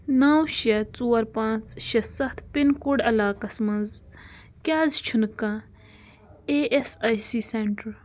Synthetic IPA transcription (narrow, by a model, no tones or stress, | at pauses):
nɐːwʃɐt͡suːɐɾpãːt͡sʃɐsɐt̪ʰpinkuɖɐlaːkɐsmɐ̃nz | kʲaːzt͡ʃʰunkã | eʔesajsiːseɳʈɾ